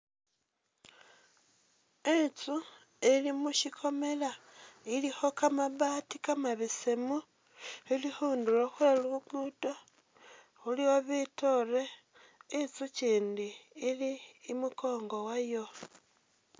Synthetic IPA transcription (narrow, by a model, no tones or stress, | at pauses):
et͡su | elimuʃikʰo̞me̞lailixo̞kamaβaːtikamaβesemu | ilixuːnduloxweluuɡuːto | xuliwoβitore̞ː | t͡suciːndiːliːmuko̞ːŋɡo̞wajo̞